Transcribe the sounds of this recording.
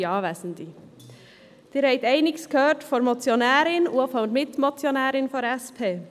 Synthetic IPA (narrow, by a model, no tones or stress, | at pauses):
ɑːʋɛːsn̩d̪i | d̥iːɾhɛɪtɛɪnɪɡskøːtfɔɾmɔt͡sjonɛːɾɪnufɔmɪt̪mɔt͡sjonɛːɾɪnfɔɾɛspʰeː